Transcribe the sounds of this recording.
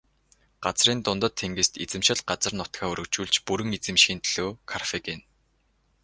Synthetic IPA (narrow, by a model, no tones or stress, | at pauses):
ɢ̥at͡sriːnt̪ʊnt̪ə̆t̪ʰːeŋɡĕst̪it͡sɘ̆mʃɪ̆ɮɢat͡sə̆rnʊt̪xaːɵɾɵ̆kt͡ɕuːɮt͡ɕpuɾɘ̆ŋet͡sɘ̆mʃxʲiːnt̪ɮ̥oːkʰarfeken